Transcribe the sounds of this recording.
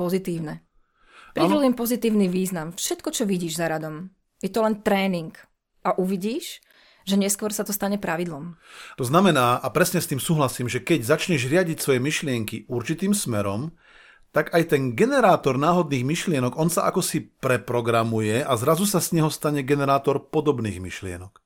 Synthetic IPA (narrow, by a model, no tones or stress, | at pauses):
pɔzit̪iːʊnɛ | pɾiɛlujɛmpɔzit̪iːʊniʋiːznamfʃɛt̪kɔt͡ʃɔʋiɟiːʒzaɾad̪ɔm | jɛt̪ɔlɛnt̪ɾɛːniŋk | ʔaʔuʋiɟiːʃ | ʒɛɲɛskʋɔɾsat̪ɔst̪aɲɛpɾaʋid̪lɔmt̪ɔznamɛnaːʔapɾɛsɲɛst̪iːmsuːɦlasiːmʒɛkɛɟzat͡ʃɲɛʒɾɪaɟicsʋɔjɛmiʃlɪɛŋkiuɾt͡ʃit̪iːmsmɛɾɔm | t̪aɡajt̪ɛnɡɛnɛɾaːt̪ɔɾnaːɦɔd̪niːɣmiʃlɪɛnɔɡɔnsaʔa̰kɔsipɾɛpɾɔɡɾamujɛazɾazusazɲɛɦɔst̪aɲɛɡɛnɛɾaːt̪ɔɾpɔd̪ɔbnḭːɣmḭʃlɪɛ̰nɔk